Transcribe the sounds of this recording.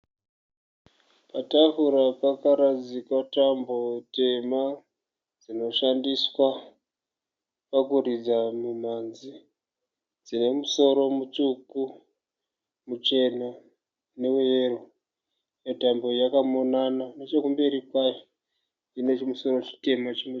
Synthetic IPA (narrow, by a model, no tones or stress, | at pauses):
patafuɾapakaɾad͡zikatambo̞te̞ma | d͡zino̞ʃandiswa | pakurid͡zamumanzi | d͡zine̞muso̞ɾo̞mut͡ʃuku | mut͡ʃe̞na | ne̞eʋe̞ro | jetambo̞jakamo̞nanane̞t͡ʃekumbe̞ɾikwajo | ine̞t͡ʃmuso̞ɾo̞t͡ʃi̥te̞mat͡ʃeno